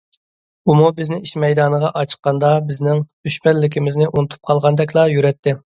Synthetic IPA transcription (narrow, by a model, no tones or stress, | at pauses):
umubɪznɪiʃmɛjd̪ɑːnəʁɑʔɑt͡ʃʰə̥qːɑnd̪ɑbɪznɪŋd̪̥yʃmɛnlːɪkʲʰɪmɪznɪʔunut̪ʰu̥p̚qʰɑlˠʁɑnd̪ɛkʲlˠɑjyɾɛt̪ʰːɪ